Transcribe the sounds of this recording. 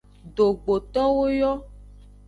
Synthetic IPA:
ɖo˨ɡ͡bo˨t̪ɔ˦wo˦jɔ˦

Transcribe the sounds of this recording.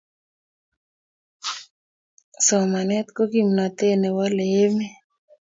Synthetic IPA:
sɔ˨ma˨nɛ˦t̪ko˦ki˨mna˨t̪e˦ne˨wɔ˦le˦me˦

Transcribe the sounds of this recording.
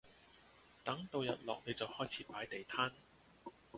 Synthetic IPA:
t̪ɐ˨˥ŋt̪o˨˧wjɐ˨t̚lɔ̰ː˨k̚ne˨˧jt͡sɐ˨whɔː˥jt͡sʰiː˨˦˥paː˨˥jt̪e˨jt̪ʰaː˥n

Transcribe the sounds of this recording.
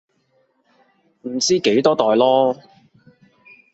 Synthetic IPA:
m̩˨˩t͡siː˥ke˨˥jt̪ɔː˥t̪ɔː˨jlɔː˥

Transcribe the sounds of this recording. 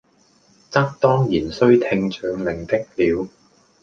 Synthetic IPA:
t͡sɐ˥k̚t̪ɔː˥ŋjiː˨˩nsɵ˥ɥt̪ʰɪ˧ŋt͡ʃʰœː˨˧ŋlɪ˨˩ŋt̪ɪ˥k̚liː˨˧w

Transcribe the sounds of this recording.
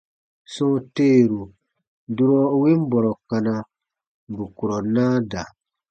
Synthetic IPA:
sɔ̃˦teː˦˨ɾu˨ | du˦ɾɔ˦we˦m˦bɔ˨ɾɔ˨ka˧na˧˨ | bu˨ku˨ɾɔ˨nãː˦da˨

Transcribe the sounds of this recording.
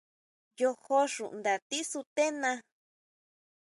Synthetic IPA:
jo˧ho˦ʂũ˨ʔnd̪a˨t̪i˦su˧t̪e˦nã˧

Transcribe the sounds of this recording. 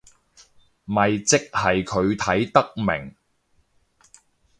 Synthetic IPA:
mɐ˨jt͡sɪ˥k̚hɐ˨jkʰɵ˨˧ɥt̪ʰɐ˨˥jt̪ɐ˥k̚mɪ̰˨˩ŋ

